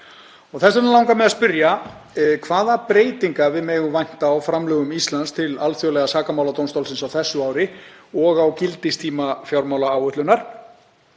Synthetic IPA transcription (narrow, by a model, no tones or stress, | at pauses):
ɔɣθɛsanlaːwŋkamɛðaspʏɾja | kʰvaːðapɾeːjt̪iŋkavɪðmɛːɣʏvajn̥t̪aːwfɾamlœːɣʏmist̪lanst̪ʰɪlalθjɔwlɛɣasaːkamawlat̪ownst̪owlsɪnsawθɛsːʏaːwɾɪɔɣawcɪlt̪ɪst̪ʰiːmafjawɾmaːwlaaːwʏht̪ʏnaɾ̥